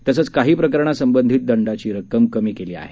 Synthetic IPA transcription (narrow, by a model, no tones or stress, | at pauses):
t̪əsəːt͡skaɦiːpɾəkəɾɳ̃asəmbənd̪ʱiːt̪̚d̪əɳɖat͡ɕiːɾəkəmkəmiːkeliːa̰ɦe